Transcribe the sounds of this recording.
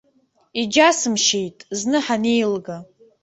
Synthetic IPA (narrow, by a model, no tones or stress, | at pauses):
id͡ʒasɨmʃejtʼznɨħanejlɡa